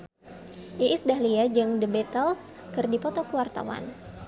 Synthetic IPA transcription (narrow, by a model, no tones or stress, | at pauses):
ʔiʔːsdahliad͡ʒɨŋdəbɛt̪əls | kɨrdipɔt̪ɔkuwart̪a̰wa̰n